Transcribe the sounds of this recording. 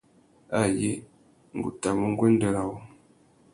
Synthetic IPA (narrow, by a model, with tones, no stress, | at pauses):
a˦˨je˦ | ŋ̩˨ɡṵ˨ta˨mə˦ŋ˦ɡwe˦n˦də˨ɾa˨wo˦